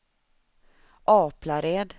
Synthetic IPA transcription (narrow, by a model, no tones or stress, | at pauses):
ʔɑːplaɾeːd̪